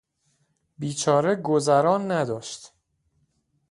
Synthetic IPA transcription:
biːt͡ʃʰɒːɾe̞ɡo̞zæɾɒːnːæd̪ɒːʃt̪

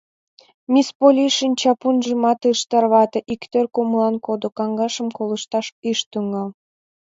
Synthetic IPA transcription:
mʲispolʲiʃinʲt͡ɕɑpunʒə̆mɑt̪ɯʃt̪ɑrβɑt̪ɤ̆ʔikt̪ørkomulɑnkod̪okɑŋɡɑʃə̆mkolə̆ʃt̪ɑʃiʃt̪yŋɑl

